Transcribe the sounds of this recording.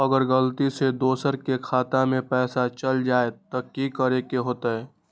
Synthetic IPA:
ɐɡəɾɡəlt̪ised̪oːsəɾkekʰaːt̪amẽpɛːsat͡ʃɐld͡ʒaːet̪ɐkikəɾekeɦoːt̪aɦɛː

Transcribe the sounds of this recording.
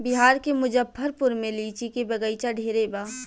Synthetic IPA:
bɪɦaːɾkemʊd͡ʒəbpʰɐɾpʊɾmẽliːt͡ʃʰikebɐɡəit͡ʃaɖʱeːɾebaː

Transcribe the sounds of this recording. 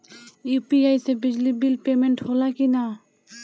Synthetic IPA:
upiajsebid͡ʑlibilpemeɳʈholakina

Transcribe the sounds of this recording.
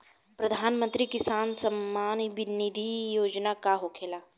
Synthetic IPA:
pɾɐd̪ʱaːnmə̃nt̪ɾikɪsaːnsɐmːaːnʋɪnid̪ʱijoːd͡ʒnakaɦokʰeːlaː

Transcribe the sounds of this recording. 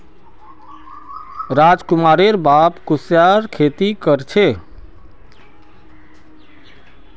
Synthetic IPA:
ɾad͡ʒkumaɾeɾbapkusjaɾkʰet̪ikəɾt͡ʃʰe

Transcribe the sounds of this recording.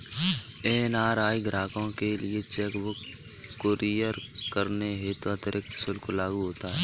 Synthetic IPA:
eːnaːɾaːiɡɾaːkõkelɪet͡ʃɛkʋo | koɾijəɾkəɾneɦet̪oɐt̪ɾʔɪk̚t̪sʊlkolaːɡuɦoːt̪aɦɛː

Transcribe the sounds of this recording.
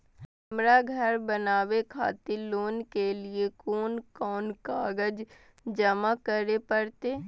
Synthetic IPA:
ɦɐmɾaɡʱɐɾbənaːwekʰa̰ːt̪iloːnkeliekoːnkɔːnkaːɡəd͡ʒ | d͡ʒəmakəɾepəɾt̪eː

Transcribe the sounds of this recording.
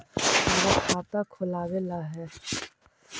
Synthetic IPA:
aɾakʰaːt̪akʰʊlaːʋelaɦɛ

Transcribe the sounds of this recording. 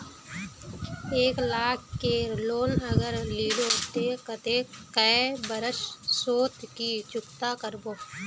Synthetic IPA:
eːklaːkkeloːnəɡəɾliːlot̪ekət̪ekəebəɾəʃsoːt̪kit͡ʃʊkt̪akəɾboː

